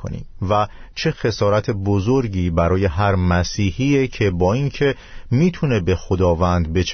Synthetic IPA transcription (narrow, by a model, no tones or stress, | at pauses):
ko̰nḭːmvæ | t͡ʃʰe̞xe̞sɒːɾæt̪ʰe̞bozo̞ɾɟiːbæɾɒːje̞ɦæɾmæsiːhiːecʰe̞bɒːincʰe̞ | miːt̪ʰune̞be̞xod̪ɒːvænd̪be̞t͡ʃʰ